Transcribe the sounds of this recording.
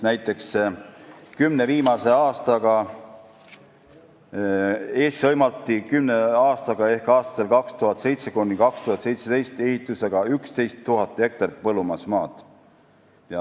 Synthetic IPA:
næjt̪ːˑe̞ks | kymne̞viːmɑse̞ɑːst̪ɑɡ̥ɑ | e̞ːssɤjmɑlt̪ːˑikymneɑːst̪ɑɡ̥ɑe̞hkɑːst̪ɑ̥t̪ːelkɑkst̪uɦɑt̪ːˑse̞jt̪se̞kunʲːikɑkst̪uhɑt̪se̞jt̪se̞d̪e̞jst̪e̞hit̪ːˑuse̞ɡ̥ɑykst̪e̞jst̪ːuɦɑt̪ːˑe̞k̚t̪ɑrt̪̚pɤlumɑsmɑːd̪̥ | jɑ

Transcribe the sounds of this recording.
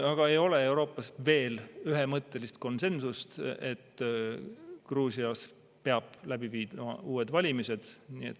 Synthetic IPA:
ɑɡ̥ɑe̞jo̞le̞e̞wɾo̞ːpˑːɑst̪ve̞ːlyɦe̞mɤt̪ˑːe̞list̪̚ko̞nse̞nsust̪e̞t̪ː | kruːsiɑs | peɑb̥læb̥iviːd̪mɑ̰uːe̞d̪vɑlʲimise̞d̪̥nie̞̰t̪ː

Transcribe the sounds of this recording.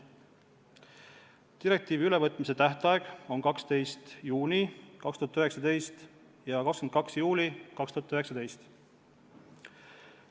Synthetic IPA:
t̪iɾe̞k̚t̪iːviylevɤt̪ˑmise̞t̪æht̪ɑeɡ̥o̞nkɑkst̪e̞jst̪juːnikɑkst̪uɑt̪øɦe̞ksɑd̪e̞jst̪ | jɑkɑkskymenkɑksjuːlʲikɑkst̪uɑt̪øɦe̞ksɑd̪e̞jst̪

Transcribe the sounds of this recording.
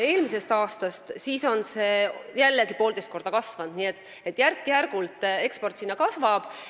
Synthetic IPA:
e̞ːlmise̞st̪ɑːst̪ɑst̪siːso̞nse̞jælːeɡipo̞ːld̪e̞st̪ko̞rɾd̪̥ɑkɑsvɑnd̪niːe̞t̪ːˑ | e̞t̪ːˑjærkːijærɡ̥ult̪ˑe̞kspo̞rt̪sinːɑkɑsvɑb̥

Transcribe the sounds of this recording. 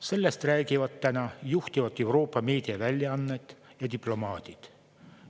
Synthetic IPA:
se̞lːest̪ræːɡivɑt̪ːænɑjuht̪ivɑt̪ːˑe̞wro̞ːpːɑme̞ːd̪̥iɑvælʲːjɑɑnːet̪ | jɑt̪iplo̞mɑːt̪it̪

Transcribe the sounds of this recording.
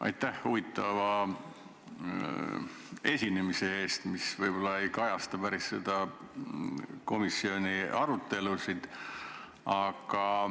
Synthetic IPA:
ʔɑ̰jt̪ːˑæhhuvit̪ˑːɑvɑ | e̞sʲinemise̞e̞ːst̪misvɤjb̥o̞lːɑe̞jkɑjɑst̪ɑpæɾisːe̞d̪ɑ | ko̞misːio̞nʲiɑɾut̪ˑːe̞lusid̪̥ | ɑɡ̥ɑ

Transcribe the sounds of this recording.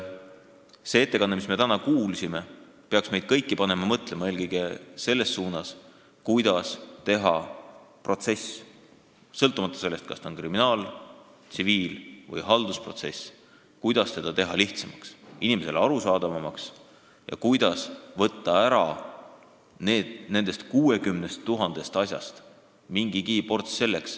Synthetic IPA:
se̞e̞t̪ːe̞kɑnːmisme̞t̪ænɑkuːlsime̞ | peɑksme̞jd̪̥̚kɤjkːipɑne̞mɑmɤt̪ˑlemɑe̞ːlkɤjɡ̥ese̞lːe̞ssuːnɑs | kujd̪̥ɑst̪e̞ɦɑ̰pro̞t̪se̞s | sɤlt̪ːˑumɑt̪ːˑɑ̥se̞lːe̞st̪̚kɑ̰st̪ɑonkriminɑːl | t̪siviːlvɯ̰jɦɑld̪̥uspro̞t̪se̞̰s | kujd̪̥ɑst̪e̞d̪̥ɑt̪e̞ɦɑliht̪semɑksinime̞se̞lɑɾusɑːd̪̥ɑvɑmɑks | jɑ̰kujd̪̥ɑsvɤt̪ːɑæɾɑ | neːd̪̥ne̞nd̪̥e̞st̪kuːe̞kymnest̪ːuɦɑnd̪̥e̞st̪ɑsʲjɑ̰st̪ | miŋɡ̥ikiːpo̞rt̪sse̞lːe̞ks

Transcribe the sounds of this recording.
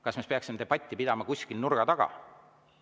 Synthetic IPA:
kɑsmespeɑksimeeb̥ɑt̪ʲːˑipid̪̥ɑmɑkusʲkilnuɾɡ̥ɑt̪ɑɡ̥ɑ̰

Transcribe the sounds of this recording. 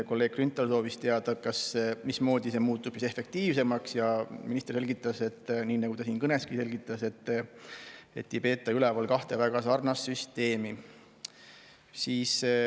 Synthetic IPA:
ko̞lːe̞ːɡ̥̚krynt̪ːˑɑlso̞ːvist̪eɑd̪̥ɑkɑsmismo̞ːd̪ise̞muːt̪ːˑu̥ise̞fe̞k̚t̪iːvse̞mɑksjɑminist̪erse̞lɡit̪ˑːɑse̞t̪ːˑniːnɑɡ̥ut̪ɑsiːnkɤneskise̞lʲɡ̥it̪ːˑɑse̞t̪ː | e̞t̪ːipe̞ːt̪ːˑɑylɛvɑlkɑht̪e̞væɡ̥ɑsɑrnɑsːyst̪e̞ːmi | siːs

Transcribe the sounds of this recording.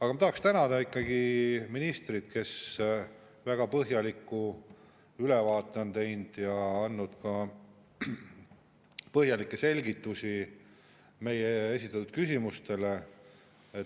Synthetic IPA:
ɑɡɑmɑt̪ɑhɑkst̪ænɑd̪ɑikːɑɡ̥iminist̪rit̪ke̞s | væɡ̥ɑpɤɦjɑlikːˑu | ylevɑːt̪ːˑeont̪ejnd̪̥jɑɑnːud̪̥kɑ | pɤɦjɑlikːˑe̞se̞lʲɡit̪ːˑusi | me̞jeesʲit̪ːˑɑt̪ːud̪̥̚kysʲimust̪e̞le | e

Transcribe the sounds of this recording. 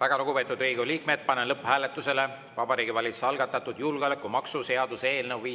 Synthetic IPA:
væɡ̥ɑloɡ̥upe̞ːt̪ːˑud̪riːɡoliːk̚med̪̥̚pɑnenlɤpːhæːlet̪ːˑuse̞le̞ | vɑbɑɾiːɡivɑlʲit̪su̥seɑlɡɑt̪ːˑɑt̪ːˑud̪julɡ̥olekːˑumɑksuse̞ɑd̪̥use̞ːlnewviː

